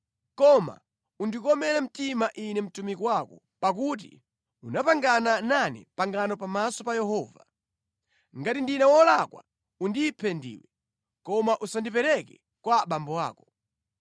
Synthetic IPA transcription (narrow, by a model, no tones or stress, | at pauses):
kɔma̰ | undikɔmɛlɛm̩timaʔinɛm̩tumikɔwakɔ | pak̬ut̬ḭ | unapaŋɡanananɛ̰paŋɡanɔpamasɔpajɛhɔːva̰ | ŋɡatindinɛwɔlakwa̰ | undipʰɛndḭːwɛ | kɔmaʔusandipɛɾɛkɛ | kwaɓambɔwa̰ːkɔ̥